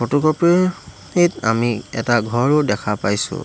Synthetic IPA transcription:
otukɔpi | nita̰miɛ̰taɡʱɔɹʊdɛkʰapajsʊ̰

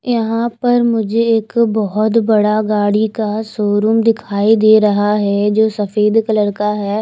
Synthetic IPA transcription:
jɐɦãpɐɾmʊd͡ʒʱeɪkbɔɦɔt̪bɐɽaɡaːɽikasoːɾumd̪ɪkʰaːid̪eːɾɐɦaɦɛːd͡ʒoːsəfʰeːd̪kələɽkaɦɛː

